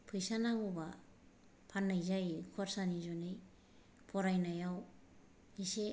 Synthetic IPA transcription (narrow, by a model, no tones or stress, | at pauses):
pʰɯjsanaŋuba | pʰanːajzajkʰɔɾsanizɔnɯj | pʰɔɾajnajaw | nise